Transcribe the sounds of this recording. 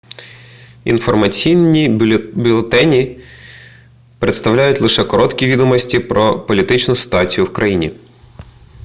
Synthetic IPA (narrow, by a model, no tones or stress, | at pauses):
ḭnfɔrmɐt͡sʲijnʲibʲilˠet̪ɛnʲi | pɾet̪st̪ɐwlʲajʊtʲlˠɪʃɛkɔɾɔt̪kʲiʋʲid̪ɔmɔsʲtʲipɾɔpɔlʲit̪ɪt͡ʃnʊsɪ̥t̪ʊɑt͡sʲijʊwkɾʔɐjinʲi